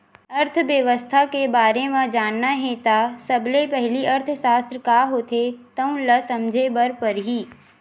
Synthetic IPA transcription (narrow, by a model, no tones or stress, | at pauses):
əɾt̪ʰʋjəʋəst̪ʰakebaːɾemãd͡ʒaːnːaɦɛ̃t̪aːsəblepɛɦliʔɐɾt̪ʰʃaːst̪ɾəkaːɦoːt̪ʰet̪ɐũlɐsɐmd͡ʒʱebəɾpəɾɦiː